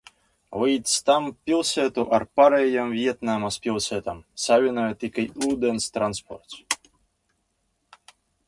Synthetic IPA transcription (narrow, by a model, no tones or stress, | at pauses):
vɨjt̪sʲt̪ampʲilˠsʲɛt̪uʔaɾpaɾɛjamvʲiɛt̪namaspʲilˠsʲɛt̪amsavʲinajɛt̪ikajuːd̪ɛnst̪ɾanspɔ̰ɾt̪s